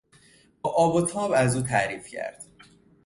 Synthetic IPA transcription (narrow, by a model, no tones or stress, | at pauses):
bɒːʔɒːbot̪ʰɒːbæzuːt̪ʰæɾiːfcʰæ̰ɾd̪̥